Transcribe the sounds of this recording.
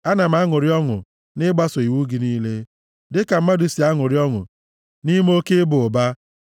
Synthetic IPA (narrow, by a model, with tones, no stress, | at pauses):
a˦na˨m̩˦a˦ŋʊ˨ɾɪ˦ɔ˦ŋʊ̰˨ | nɪ˦ɡ͡ba˦so˨i˨wu˦ɡi˨˦niː˦le˦ | dɪ˦ka˨m̩˦ma˦du˦si˨a˦ŋʊ˨ɾɪ˦ɔ˦ŋʊ̰˨ | ni˦m˦o˦ke˦bʊ˨ʊ˨ba˦